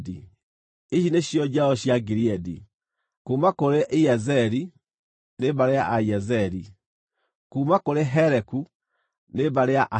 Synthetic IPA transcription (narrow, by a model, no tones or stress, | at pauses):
di | iɕineɕjɔd͡ʑaɔɕjaɡiɾiɛdḭ | kuːmakoɾeʔiɛzɛɾi | neβaɾeaʔaiɛzɛɾi | kumakoɾeɦɛɾɛku | nebaɾeaʔa